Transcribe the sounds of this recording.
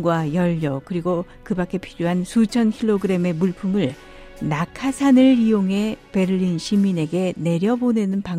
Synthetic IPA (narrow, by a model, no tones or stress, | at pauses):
ɡwajʌʎːʌkɯɾiɡo | kɯbak͈e̞pʰiɾjoɦansʰut͡ɕʰʌnkʰiɭːoɡɯɾe̞me̞muɭpʰumɯɭ | nakʰasʰanɯɭijoŋɦe̞pe̞ɾɯʎːinɕʰimine̞ɡe̞ne̞ɾjʌbonenɯnpaŋ